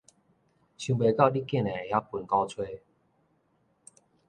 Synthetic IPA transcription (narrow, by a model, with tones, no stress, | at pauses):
ɕũ˨˧be˨ka˥˧˨li˦kjɛ˥˨nɛ˨˩˨ja˦pu˨˩nka˦t͡sʰwe˥˨